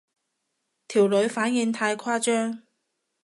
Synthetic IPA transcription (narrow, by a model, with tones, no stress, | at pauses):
t̪ʰiː˨˩wlɵ˨˧ɥfaː˨˥nji˨˧ŋt̪ʰaː˧jkʰaː˥t͡ʃœː˥ŋ